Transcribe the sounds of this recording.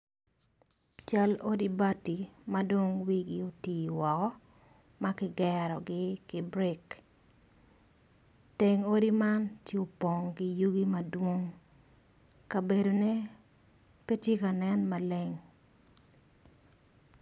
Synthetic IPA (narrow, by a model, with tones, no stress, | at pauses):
t͡ʃa˦lo˦di˦ba˦ti˨ma˦do˦ŋwi˦ɡɪ˦o˨ti˨wɔ˨kɔ˦ | ma˦kɪ˦ɡɛɾɔ˨ɡɪ˦kɪ˨bɾɛ˦k | te˨ŋo˦di˦ma˦ntje˦o˨po˨ŋkɪ˨ju˦ɡi˦ma˨dwo˦ŋ | ka˨be˨do˨ne˦ | pe˦tje˦ka˨nɛ˦nma˨le˦ŋ